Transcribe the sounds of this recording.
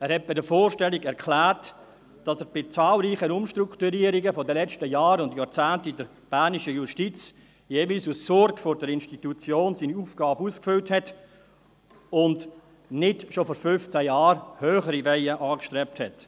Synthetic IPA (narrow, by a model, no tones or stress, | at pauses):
ɛːɾhɛt̚b̥ɪdəɾfoːrʃtɛliɡɛɾkʰlæːɾt | d̥ɑsəːɾb̥ɪt͡sɑːlɾiːχənʊmʃtɾuktuɾiːəɾiɡəfɔdəlɛt͡stəjɑːɾʊndjɑːɾt͡sæːntidəɾ | b̥æːniʃəjuʃtit͡s | jeːviːlsussɔrɡfɔɾdəɾɪnʃtitut͡sjoːnsiːniufɡ̥ɑːbəuskfʏlthɛt | ʊnd | nɪdʃofɔɾfʏft͡sæjɑːɾhøːχəɾivɛɪəʔɑːkʃtɾɛp̚thɛt